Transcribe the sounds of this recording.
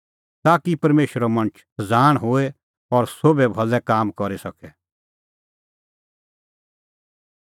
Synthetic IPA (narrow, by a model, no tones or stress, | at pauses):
t̪aːkipɐɾmeːʃɾɔmɐ̃ɳət͡ʃʰd͡zaːɽ̃ɦoːe | ɔɾsobɛbʱɐlːɛkaːmkɔɾisɐkʰɛ